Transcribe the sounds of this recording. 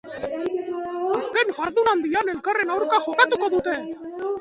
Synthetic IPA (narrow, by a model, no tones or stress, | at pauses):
aske̞ŋʝaɾðunand̪iane̞lkare̞nawɾkaʝo̞kat̪uko̞ðut̪e̞